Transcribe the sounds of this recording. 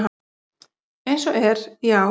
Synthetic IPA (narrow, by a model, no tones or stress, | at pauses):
ɦ | ejnsɔʔɛɾjaw